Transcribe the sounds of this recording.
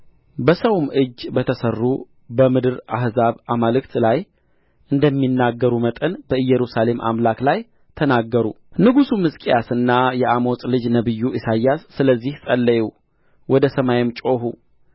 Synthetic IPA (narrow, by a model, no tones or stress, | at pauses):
bəsəwmʔɨd͡ʒːbət̪ʰəsərːu | bəmɨd̪ɨɾa̰hzaβamalɨkt̪laj | ʔɨnd̪əmːinːaɡːəɾumət̪ʼənbəɨjːɛɾusale̞mʔa̰mlaklaj | t̪ʰənaɡːəɾṵ | nɨɡusumɨskʼijasɨnːajɛʔamo̞sʼlɨd͡ʒnəβɨjːuʔisajasːɨləzːihsʼəlːəju | wɔd̪əsəmajemt͡ʃʼo̞hu